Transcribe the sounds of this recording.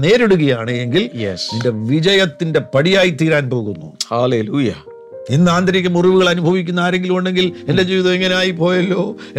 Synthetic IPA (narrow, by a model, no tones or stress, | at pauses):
ne̞ːɾeɽuɣɐjaːɳɨe̞ŋɡiljesninde̞ʋid͡ʑɐjɐt̪ːinde̞pɐɽijaːjit̪iːɾaːnpo̞ːɣunːṵhaːleːluːjɐ | inːɨaːnd̪ʱɐɾikʲːɐmuriʋuɣɐɭɐnubʱɐʋikʲːunːaːɾe̞ŋɡiluɳɖe̞ŋɡile̞nde̞d͡ʑiːʋiðɐmeŋːɐneaːjipo̞ːjɐlːo̞ː